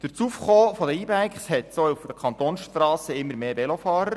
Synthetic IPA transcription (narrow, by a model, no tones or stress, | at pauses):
d̪̥əɾt͡suːfχoːfɔd̪əiːbæjkχshɛt̪soufd̥̪əkʰχɑnt̪oːnsʃtrɑːsəɪmːəɾmeːbɛlofɑːɾəɾ